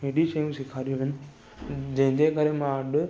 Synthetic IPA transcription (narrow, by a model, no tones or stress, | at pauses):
ɦeːɖiʃɐjũsɪkʰaːɾijuɦɪnɪ̆ | d͡ʑɐ̃ɦɪ̃ɲd͡ʑekəɾemãɐɗʊ